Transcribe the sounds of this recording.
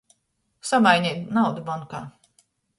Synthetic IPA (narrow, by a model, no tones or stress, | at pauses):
samajɲʲɛːt̪nawd̪ubɔnka̰ː